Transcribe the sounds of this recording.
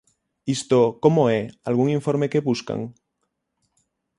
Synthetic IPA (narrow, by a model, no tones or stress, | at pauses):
ist̪okomoealɣ̞uŋiɱfoɾmekeβuska̰ŋ